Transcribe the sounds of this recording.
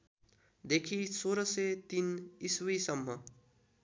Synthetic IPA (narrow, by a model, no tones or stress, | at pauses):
d̪ekʰisoɾʌset̪iniswisʌmːʌ